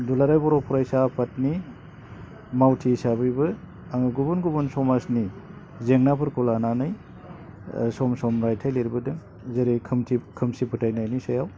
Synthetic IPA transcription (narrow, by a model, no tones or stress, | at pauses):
dulaɾajbɔɾopʰɔɾajsapʰatni | mawtʰisabɯjbɯ | aŋɡubunɡubunsɔmasni | zeŋnapʰɯɾkulananɯj | sɔmsɔmɾajtʰajleɾibɯdɯŋ | zeɾikʰmtʰikʰɯmsipʰɯtʰajnajnisajaw